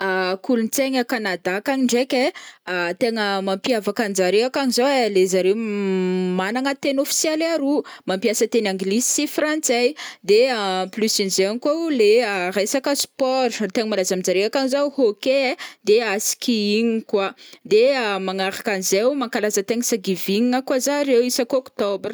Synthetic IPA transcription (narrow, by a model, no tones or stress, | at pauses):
akulunt͡seɲəkanad̪akaniɳɖ͡ʐekʲe | t̪eŋəmampiavakand͡ʒaɾeakanizowelezaɾe | manaŋət̪enofi̥sjelaɾumampiasət̪enaŋɡlisi̥sifrant͡sejd̪eplysinizeaŋikoleəɾesakəspɔɾt̪eŋəmalazamid͡zaɾeakanizawhoked̪easi̥kiiɲikwad̪emaŋaɾakanizewmaŋkalazət̪eŋəsaɡiviŋiəkwazaɾewisakookt̪ɔbr